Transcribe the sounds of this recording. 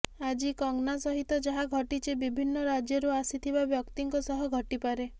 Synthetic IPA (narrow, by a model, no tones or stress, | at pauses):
ad͡ʒikɔŋnasɔɦit̪ɔd͡ʒaɦaɡʱɔʈit͡ʃʰebibʱinːɔɾad͡ʒjɔɾuasit̪ʰibabjɔkt̪iŋkɔsɔɦɔɡʱɔʈipaɾe